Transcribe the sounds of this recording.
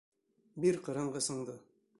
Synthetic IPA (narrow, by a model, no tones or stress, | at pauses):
biɾqɤ̆ɾɤɴʁɤsɤ̆ɴd̪ɤ